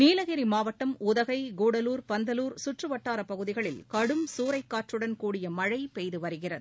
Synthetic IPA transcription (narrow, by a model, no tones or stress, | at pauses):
niːlɐɣɪɾimaːʋɐʈːɐmʊðɐɣɐɪɡuːɽɐluːɾpɐnd̪ɐluːɾsʊʈrɯʋɐʈːaːɾɐpɐɣɯðɪɣɐɭɪlkɐɽɯmsuːɾɐɪkːaːʈrɯɽɐnkuːɽɪjɐmɐɻɐɪpɛjðɯʋɐɾɯɣɪrɐð